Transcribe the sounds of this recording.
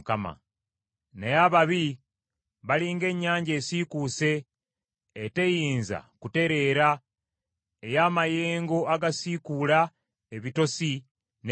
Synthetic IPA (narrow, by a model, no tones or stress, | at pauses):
kama̰ | nejaβaβi | βaliːŋɡe̞ɲːaːɲɟe̞ːsikuse̞ː | te̞jiːnza̰kute̞ɾe̞ːɾa | ejaːmaje̞ːŋɡo̞aɡasikula | eβito̞si | n